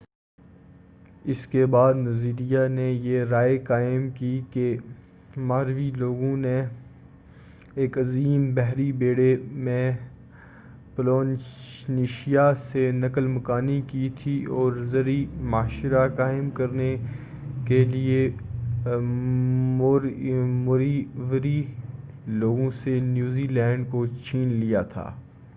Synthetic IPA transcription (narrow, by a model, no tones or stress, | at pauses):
ɪskebaːd̪nɐziːɾijanejeɾaːekaːɪmkike | maːɾʋiloːɡõne | eːkɐziːmbɛɦɾibeːɽemẽ | ploːnniːʃijasenɐkəlmɐkaːnikit̪ʰiɔːɾzɐɾimaːʃɾakaːɪmkɐɾne | kelie | mːɾmoɾiʋɾi | loːɡõsenjuːzilɛ̃ːɳɖkot͡ʃʰiːnlijat̪ʰa̰ː